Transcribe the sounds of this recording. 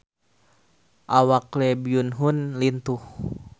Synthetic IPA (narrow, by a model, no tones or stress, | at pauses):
ʔawaklɛbiunɦunlint̪uh